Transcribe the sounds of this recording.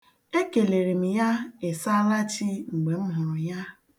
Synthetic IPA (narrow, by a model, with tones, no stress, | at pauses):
e˦ke˨le˨ɾi˨m̩˨ja˦e˨sa˦la˦t͡ʃi˦ŋ͡m̩˨ɡ͡be˨m̩˦ɦʊ˨ɾʊ˨ja˦